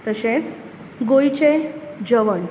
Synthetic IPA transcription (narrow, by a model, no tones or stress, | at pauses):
t̪əɕẽt͡s | ɡojt͡ɕed͡ʑəʋəɳ